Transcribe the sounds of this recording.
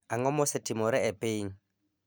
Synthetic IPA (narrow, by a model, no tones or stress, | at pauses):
aŋɔmʊsɛtʼimʊɾɪɛpʼeːŋ̩